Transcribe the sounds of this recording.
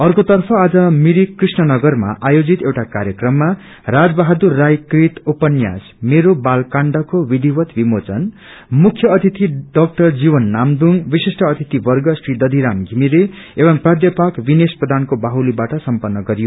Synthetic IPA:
ʌrkot̪ʌrpʰʌad͡zʌmiɾikrisnʌnʌɡʌrma̰ʔajod͡zit̪ewʈakaɾjʌkrʌmːa | rad͡zbaɦad̪urːajkrit̪upʌnja̰s | meɾobalkaɳɖʌkowid̪ʱibʌt̪bʱimot͡sʌn | mukʰːjʌʌt̪ʰit̪iɖʌk̚ʈʌrd͡zibʌnːamd̪uŋbisisʈʌːt̪ʰit̪ibʌrɡʌsrid̪ʌd̪ʱiɾamɡʱimiɾe | ebʌmprad̪jʌpakbinesprʌd̪ʱankobaɦulibaʈʌsʌmpʌnːʌɡʌɾijo

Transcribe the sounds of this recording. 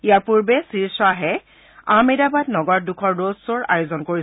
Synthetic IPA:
ijaɹpuɹbɛsiɹsɔaɦɛ | amedabatnɔɡɔɹ̚dukʰɔɹdozsoɹa̰jozɔnkoɹi

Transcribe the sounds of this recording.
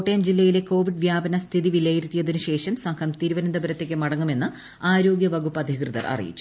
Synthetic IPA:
ʈːejmd͡ʑilːɐjile̞ko̞ːʋiɖʋjaːbɐnɐst̪ʰiðiʋilːɐjiɾut̪ːijɐðinuɕe̞ːʂɐmsɐŋkʰɐmt̪iɾuʋɐnɐnd̪ɐbɐɾɐt̪ːe̞kːɨmɐɽɐŋːume̞nːɨ | aːɾo̞ːɡjɐʋɐɡupːɐd̪ʱikrɨðɐ̰rʔɐ̰rḭjḭt͡ɕːu̥

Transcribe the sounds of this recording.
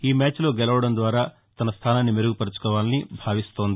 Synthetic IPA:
iːmaːt͡ʃlo̞ːɡɛlɐʋɐɽɐnd̪ʋaːɾaː | t̪ɐnɐst̪ʰaːnaːnːimeɾuɡupɐɾut͡ʃu̥kɔːʋaːnɐnibʱaːʋist̪o̞ːnd̪i

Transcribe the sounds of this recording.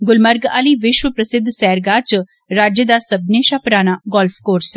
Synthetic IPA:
ɡʊlməɾɡa̰ːliːʋɪʃʋəpɾəsɪd̪ʱsɛːɾɡaːt͡ʃ | ɾaːd͡ʒjəd̪aːsəbneːʃapɾaːnaːɡɔːlpʰkoːɾs

